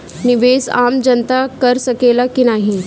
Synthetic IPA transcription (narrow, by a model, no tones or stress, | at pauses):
niʋesa̰md͡ʑənt̪akəɾsəkelakinaɦi